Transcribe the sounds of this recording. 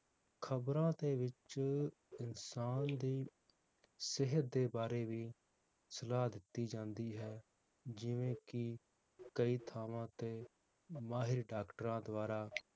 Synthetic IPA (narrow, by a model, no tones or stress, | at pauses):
kʰəbɾãːt̪eːʋɪt͡ʃ | ɪnsaːnd̪iː | sɪɦət̪̚d̪eːbaːɾeːʋiː | səlaːd̪ɪt̪ːiːd͡ʒãːnd̪iːɦɛː | d͡ʒɪʋẽːkɪ | kəiːt̪ʰaːʋãːt̪eː | maːɦɪɾɖaːkʈɾãːd̪ʊaːɾaː